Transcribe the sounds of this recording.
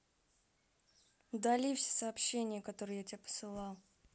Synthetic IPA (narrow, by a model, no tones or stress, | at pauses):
ud̪ɐlʲifsʲe̥sɐːpɕːenʲɪjəkɐt̪o̞ɾɨjjatʲɪapə̥sɨlˠɑlˠ